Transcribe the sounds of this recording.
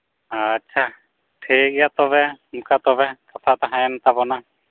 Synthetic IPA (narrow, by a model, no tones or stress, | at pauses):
aːtːʃʰa | ʈʰik̚jat̪ɔβɛmkat̪ɔβɛk̪ɔt̪ʰat̪aɦãjɛnt̪abɔna